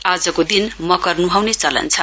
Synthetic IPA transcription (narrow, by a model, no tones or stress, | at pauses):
ad͡zʌkod̪inmʌkʌrnuɦawnet͡sʌlʌ̰nt͡sʰʌ